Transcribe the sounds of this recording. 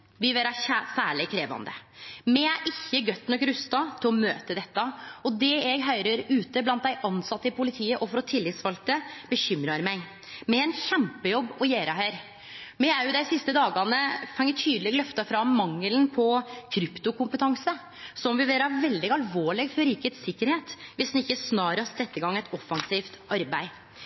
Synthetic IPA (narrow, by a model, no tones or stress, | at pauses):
ʋɪʋeːɾɑçæsæːɭɪkʰɾeːʋɑ̰nd̪ə̰mɛæʔɪçːəɡœt̪ːnɔkɾʉst̪ɑt̪ʰɪlɔmøːt̪əd̪ɛt̪ːɑɔd̪ɛɛɡɦœʏɾəɾʉːt̪əblɑnt̪̚d̪æɪʔɑnsɑt̪ːəɪpʰʊlɪt̪ʰiːəʔɔfɔɾɔt̪ʰɪlːɪt̪sʋɑlt̪əb̥əçʏmɾɑɾmæɪ | mɛɛnçɛmpəjɔbːɔjæːɾɑhœɪɾ | mɛæɾjʊd̪æɪsɪst̪əd̪ɑːɡɑnəfɑŋːəʈ̪ʰyːd̪əlɪɡlœft̪ɑfɾɑmːɑŋːəlnpʰɔkʰɾʏpt̪ʊkʊmpət̪ʰɑŋsə | sɔmʋɪʋeːɾɑʋɛld̪ɪɡɑlʋoːɭɪɡfɔɾiːkət̪sɪkːəɾheːt̪ʋɪsd̪nɪçːəsnɑːɾəɑsɾɛt̪ːəɡɑŋːɛt̪ɔfːɑŋsiːft̪ɑɾbæɪ